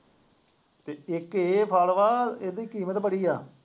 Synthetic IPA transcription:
t̪eːɪkeːpʰaːlʋaːeːd̪iːkiːmət̪pəɽiːaː

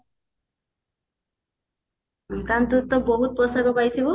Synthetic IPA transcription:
kant̪ut̪ːoboɦut̪̚pɔsakopajt̪ʰibu

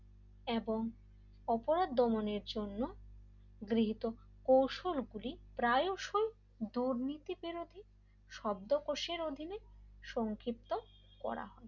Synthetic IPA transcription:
eboŋ | ɔpoɾad̪ːɔmoneɾd͡ʑonːo | ɡɾiɦit̪o | kowʃolɡulipɾajoʃoj | d̪uɾnit̪ibiɾod̪ʱi | ʃɔb̚d̪okoʃeɾod̪ʱineʃɔŋkʰɾip̚t̪o | kɔ̰ɾa̰ɦɔe

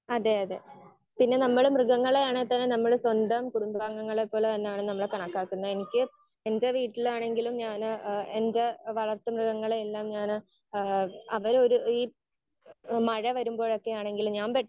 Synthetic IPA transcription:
ɐðeɐðḛ | pinːe̞nɐmːɐɭmrɨɣɐŋːɐɭeaːɳet̪ɐnːenɐmːɐɭswɐnd̪ɐmkuɽumbŋːɐŋːɐɭepːo̞ːlet̪ɐnːejaːɳɨnɐmːɐɭkɐɳɐkːaːkːunːɐenikʲːɨ | e̞ndeʋiːʈːilaːɳe̞ŋɡilumɲaːnendeʋɐɭɐrt̪ːɐmrɨɣɐŋːɐɭeelːaːmɲaːnɨ | ɐʋɐɾo̞ɾuiː | mɐɻɐʋɐɾumbo̞ːɻo̞kːe̞jaːɳe̞ŋɡilumɲaːnʋeʈː

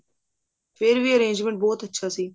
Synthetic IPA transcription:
pʰɪɾʋiːəɾẽːnd͡ʒmẽɳʈ̚bɔːt̪ətːʃʰaːsiː

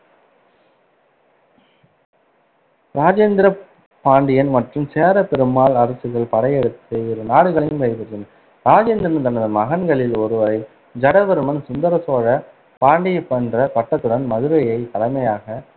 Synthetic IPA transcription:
ɾaːd͡ʒeːnd̪ɪɾɐ | paːɳɖɪjɐnmɐʈrɯmseːɾɐpɛɾɯmaːɭɐɾɐsɯɣɐɭpɐɽɐjɛɽɯt̪ːɯɪɾɯnaːɽɯɣɐɭɪjmʋɐɪʋɯɾːɯn | ɾaːd͡ʒeːnd̪ɾɐnt̪ɐnɐðɯmɐɣɐnɡɐɭɪlɔɾɯʋɐɾɐɪ | d͡ʒɐɽɐʋɐɾɯmɐnsʊnd̪ɐɾɐsoːɻɐ | paːɳɖɪjɐpːɐndrɐpɐʈːɐt̪ːɯɽɐnmɐðɯɾɐjɐɪt̪ɐɽɐmɐjaːɣɐ

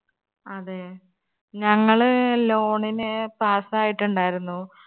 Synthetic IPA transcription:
ɐðe | ɲɐŋːɐɭlo̞ːɳinɨpaːsaːjiʈːuɳɖaːjiɾunːu

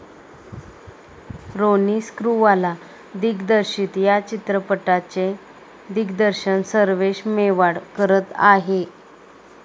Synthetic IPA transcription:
ɾoniːskɾuʋala | d̪iɡd̪əɾɕiːt̪jat͡ɕit̪ɾəpəʈat͡ɕe | d̪iɡd̪əɾɕənsəɾʋeɕmeʋaɽkəɾət̪a̰ɦe

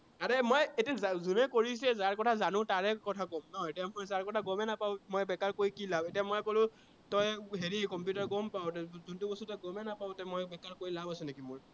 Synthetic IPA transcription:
aɹemojetiazazunɛkoɹisɛzaɹkɔtʰazanʊ̃taɹɛkɔtʰaɡɔmnɔetijamɔjzaɹkɔtʰaɡɔmɛnapaʊmojbɛkaɹkoɹikilabetijamojkolʊ̃ | tɔjɦeɹikɔmpjutaɹɡɔmpaʊtzuntubɔsɔtɔjɡɔmɛnapaʊtɔmɔjbɛkaɹkoɹilabasɛ̃nekimʊɹ

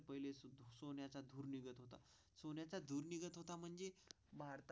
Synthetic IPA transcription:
pəɦilessonjat͡sad̪ʱuːɾniɡət̪ɦot̪a̰ | sonjat͡sad̪ʱuːɾniɡət̪ɦot̪am̤əɳd͡ze | bʱaɾt̪

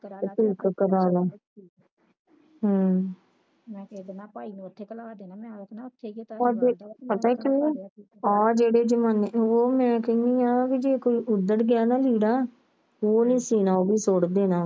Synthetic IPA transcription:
t̪iːkkəɾaːlaː | ɦaː | aːit̪ʰːd̪t̪ʰːɔːd͡ʒeːpət̪aːkɪneː | ɔːd͡ʒeːɽeːd͡ʒəmaːneoːmɛ̃ːkəŋiːãːbiːd͡ʒeːkoiːʔʊd̪əɽɡɪaːnaːliːɽaː | oːnĩːsiːnãːoːbiːsoːɽd̪eːnaː

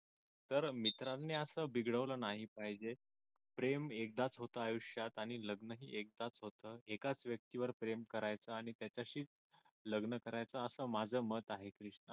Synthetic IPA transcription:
t̪əɾmit̪ɾanːeəsəːbiɡɽəʋləːnaɦipaɦid͡ʑe | pɾemek̚d̪at͡sɦot̪əajuɕjat̪aɽ̃iləɡnəɦiːʔek̚d̪at͡sɦot̪əːekat͡sʋjək̚t̪iʋəɾpɾemkəɾajt͡səaɽ̃it̪jat͡ɕjaɕiːt͡s | ləɡnəkəɾajt͡səːsəːmad͡zʱəːmət̪aɦekɾiʂɳə

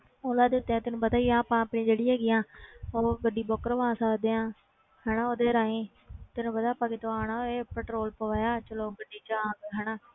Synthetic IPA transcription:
oːlaːd̪ɪːʊt̪ːeːãːt̪ɪnũːpət̪aːiːaːpãːpɳĩːd͡ʒeːɽiːɦɛːɡɪjãːoːʋəɖiːbɔːkəɾʋãːsaːd̪eːãː | hɛːnaːoːd̪eːɾaːẽː | t̪ɪnũːpət̪aːpãːkɪt̪oaːnaːeːpɛːʈɾoːlpəʋaːjaːt͡ʃəloːbəɖiːt͡ʃaːɡɦɛːnaː

